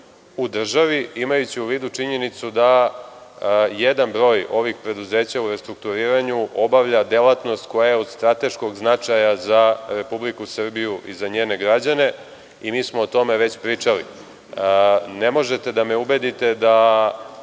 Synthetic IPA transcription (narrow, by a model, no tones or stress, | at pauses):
ud̪r̩ʒaʋiimajut͡ɕiuʋiːd̪ut͡ʂiɲe̞nit̪sud̪a | jed̪anbɾo̞ːjo̞ʋixpɾe̞d̪uze̞ːt͡ɕauɾe̞st̪ɾuk̚t̪uɾiːɾaɲuʔo̞baʋʎad̪elˠat̪no̞st̪̚ko̞jajeod̪st̪ɾat̪e̞ʃko̞ɡznat͡ʂajazaɾe̞publikusr̩bijuʔizaɲeːne̞ɡɾad͡ʑane̞ | imiːsmoːt̪o̞meʋe̞t͡ɕpɾiːt͡ʃalḭ | ne̞mo̞ʒe̞t̪e̞d̪ameubed̪it̪e̞d̪a